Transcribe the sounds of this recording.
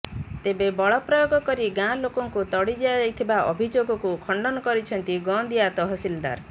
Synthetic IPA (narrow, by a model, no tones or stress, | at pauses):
t̪ebebɔɭɔpɾɔjoɡɔkɔɾiɡãlokɔŋkut̪ɔɽid͡ʒead͡ʒajt̪ʰibaʔɔ̰bʱid͡ʒoɡɔkukʰɔɳɖɔnɔkɔɾit͡ʃʰɔnt̪iɡɔnd̪iat̪ɔɦɔsild̪a̰ɾ